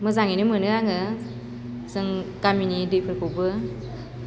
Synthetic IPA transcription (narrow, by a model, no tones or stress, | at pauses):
məzaŋinimənɯaŋɯ | sɯŋkaminidɯpʰɯɾkubɯ